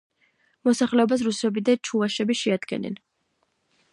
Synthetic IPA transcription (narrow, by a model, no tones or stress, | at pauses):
mɔsaχlɛɔbas̬ɾusɛbid̪at͡ʃʰuaʃɛbiʃɛad̪ɡɛ̰nɛ̰n